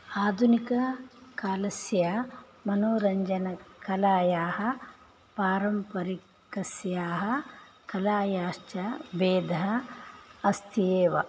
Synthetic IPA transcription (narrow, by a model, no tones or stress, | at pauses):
aːd̪ʱunikɐkaːlɐsjɐ | mɐnoːɾɐɲd͡ʒɐnɐkɐlaːjaːɦɐ̆ | paːɾɐmpɐɾi | kɐsjaːɦɐ | kɐlaːjaːʃt͡ʃɐbeːd̪ʱɐɦɐ | ɐst̪ʰieːʋɐ̰